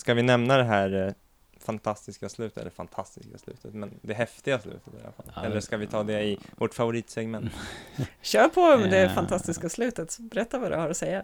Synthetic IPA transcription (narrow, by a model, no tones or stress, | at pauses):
skavɪnɛmnad̪ɛɦæːɾ | fant̪ʰast̪ɪskaslʉ̟ːt̪ɛ̰lːəɾfa̰nt̪ʰast̪ɪskaslʉ̟̰ːt̪ʰət̪mɛnd̪ɛɦɛft̪ɪɡaslʉ̟̰ːt̪ʰə̥t̪ɪja̰la̰fa̰lɛlːəʂkavɪt̪ʰɑːd̪ɛɪvɔʈfavʊɾiːt̪sɛɡmɛnt̪ɕøːpʰɔmɛnd̪ɛːɾfant̪ʰast̪ɪskaslʉ̟ːt̪ət̪bɛɾɛt̪ːavad̪ɵ̰haɾɔsɛjːa